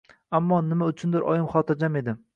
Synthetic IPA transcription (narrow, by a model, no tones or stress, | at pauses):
amːɒnɪmaʊt͡ʃʰʊnd̪ɪɾʔɒ̰jɪmχɒt̪ʰɪɾd͡ʒame̞d̪ɪm